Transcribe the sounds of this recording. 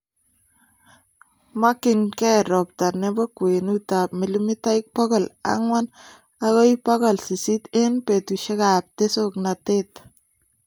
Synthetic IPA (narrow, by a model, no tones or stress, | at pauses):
makɪnkɛɾɔp̚tanebɔkwenut̪apmɪlimitaik̚pɔɣɔla̰ŋwan | aɣɔjpaɣɔlsisit̪enpetuʃekap̚t̪esoknatet̪